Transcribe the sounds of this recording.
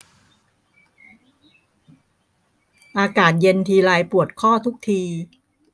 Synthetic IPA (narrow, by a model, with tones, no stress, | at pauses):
ʔaː˧kaː˨˩t̪̚je˧nt̪ʰiː˧ɾaː˧jpu˨˩ət̪̚kʰɔː˥˩t̪ʰu˦˥k̚t̪ʰiː˧